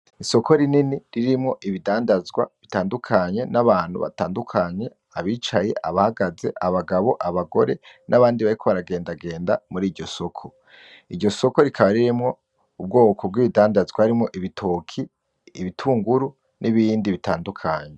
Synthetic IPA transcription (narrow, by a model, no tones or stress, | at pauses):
iso̞kʰo̞ɾininiɾiɾimŋo̞ʔiβidaːndazɡwa̰βitaːndukʰaɲe̞naβaːn̥hṵβa̰taːndukʰaɲe̞ | aβiːt͡ʃaje̞̰ʔaβahaɡaze̞̰ʔaβaɡaβo̞ʔaβaɡo̞̰ɾe̞nʔaβaːndiβaɾikʰo̞βaɾaɡe̞ːndaɡe̞ːndamuɾiːɟo̞so̞kʰo | iɾɟo̞so̞ko̞ɾikʰaβaɾiɾimŋo̞ | ub̚ɡo̞ːko̞b̚ɡwiːβidaːndazɡwahaɾimŋo̞ʔiβitʰo̞kʰiː | βitʰuːŋɡuɾu | nʔiβiːndiβitaːndukʰa̰ɲe